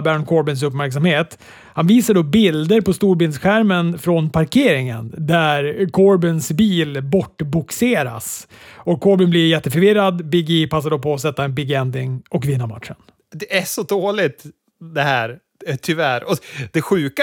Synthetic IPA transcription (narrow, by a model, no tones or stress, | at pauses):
bæɾnkʰɔɾbɪns̬ɵpːmæɾks̬amheːt̪ | hanviːsaɖoːbɪld̪əɾpɔst̪uːɾbɪlnsɧæɾmənfɾɔnpʰaɾkʰeːɾɪŋə̰nd̪æɾkʰɔɾbɪnsbiːlbɔʈːbʊkseːɾa̰sɔkʰːɔɾbɪnblɪɾjɛt̪ːəfœɾvɪɾːad̪bɪɡipʰas̬ːaɖoːpʰɔːs̬ɛt̪ːaɛnbɪɡːɛnd̪ɪŋɔkvɪnːama̰t̪ːʂən | d̪ɛæʂɔd̪oːlɪt̪ | d̪ɛhæːɾ | t̪ʰʏvæɾɔd̪̥ɛɧʉ̟ːka